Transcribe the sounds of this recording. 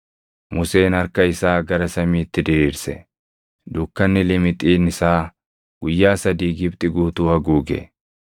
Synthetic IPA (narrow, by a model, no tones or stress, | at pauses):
mʊse̞ːnɐɾkɐɪsaːɡɐɾɐsɐmiːt̪ːɪd̪ɪɾiːɾsɛ | d̪ʊkːɐnːɪlɪmɪt̪ʼiːnɪsaː | ɡ̥ʊjːaːsɐd̪iːɡɪbt̪ʼɪɡuːt̪uːɐɡuːɡɛ̰